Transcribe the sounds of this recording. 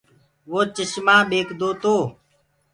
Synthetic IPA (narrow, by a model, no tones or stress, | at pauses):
ʋoːt͡ʃəʃmãːɓeːkʰd̪oːt̪oː